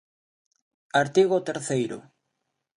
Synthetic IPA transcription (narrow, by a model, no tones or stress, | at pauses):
aɾt̪iɣot̪eɾθejɾʊ̰